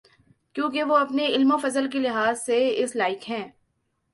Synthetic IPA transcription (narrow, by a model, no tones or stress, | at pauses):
kjõːkeʋoɐpneɪlmofɐzəlk̬ilɪɦaːzseɪslaːɪkɦɛ̃ː